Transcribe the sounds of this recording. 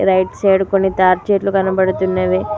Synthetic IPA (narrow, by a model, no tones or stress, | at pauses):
ɾɐjʈseːɽukonːit̪aːɾt͡ʃeːʈlukɐnɐbɐɽut̪unːeʋe